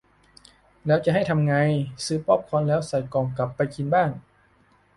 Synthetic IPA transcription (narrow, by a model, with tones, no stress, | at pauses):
lɛː˦˥wt͡ɕa˨˩ʔɦa˥˩jt̪ʰa˧mŋa˧jsɯː˨˩pːɔ˥˩p̚kʰɔː˧nlɛː˦˥wsa˨˩jkɔː˨˩ŋka˨˩pːa˧jki˧nbaː˥˩ŋ